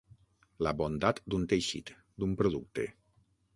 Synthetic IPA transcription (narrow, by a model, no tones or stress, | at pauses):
labond̪at̪d̪unt̪eʃḭt̪ | d̪umpɾoðuk̚t̪ḛ